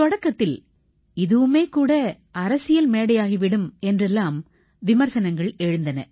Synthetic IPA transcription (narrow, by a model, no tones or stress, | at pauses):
t̪ɔɽɐkːɐt̪ːɪl | ɪðɯʋɯmeːkuːɽɐ | ɐɾɐsɪjɐlmeːɽɐjaːɣiʋɪɽɯmɛndrɛlːaːm | ʋɪmɐɾsɐnɐŋɡɐɭɛɻɯnd̪ɐnɐ̰